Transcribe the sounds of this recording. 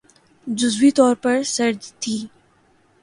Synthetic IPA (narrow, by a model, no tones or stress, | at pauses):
d͡ʒʊzwit̪ɔːɾpɐɾsɐɾd͡ʒt̪ʰiː